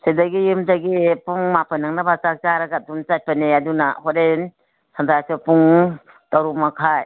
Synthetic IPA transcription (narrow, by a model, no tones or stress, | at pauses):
sedaɡijɯmdaɡipuŋmapɯnaŋnabat͡ʃak̚t͡ʃaɾaɡadunt͡ʃat̚paneadunahɔɾen | santʰajsɯpuŋ | taɾumakʰaj